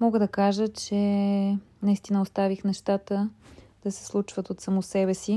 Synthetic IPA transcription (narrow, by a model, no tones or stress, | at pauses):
mɔɡəd̪ɐkaʒət͡ʃɛ | nɐist̪inəost̪avixnɛʃt̪at̪əd̪̥ɐsɛ̥slˠut͡ʃvət̪ot̪sɐmosɛbɛsi